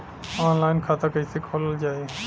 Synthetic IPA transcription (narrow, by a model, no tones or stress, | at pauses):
ɔːnlaːɪnkʰaːt̪akəisekʰoːləld͡ʒaːeː